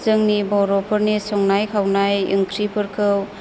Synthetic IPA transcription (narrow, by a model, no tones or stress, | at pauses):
zɯŋnibɔɾɔpʰɯɾnisɔŋnajkʰawnajɯ̰ŋkʰɾipʰɯɾkʰɯw